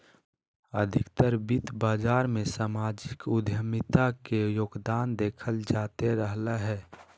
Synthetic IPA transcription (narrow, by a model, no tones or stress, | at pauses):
əd̪ʱɪkt̪əɾbɪt̪baːd͡ʒaːɾmẽsaːmaːd͡ʒɪkʊd̪ʱjəmɪt̪akejoːɡd̪aːnd̪eːkʰəld͡ʒaːt̪eɾəɦlaɦɛː